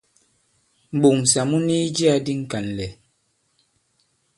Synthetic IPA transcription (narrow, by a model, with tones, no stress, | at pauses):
m̩˨ɓu˨ŋ̩˨sa˨mu˦ni˦d͡ʒi˦a˦di˦ŋ̩˦ka˨n˨lɛ˨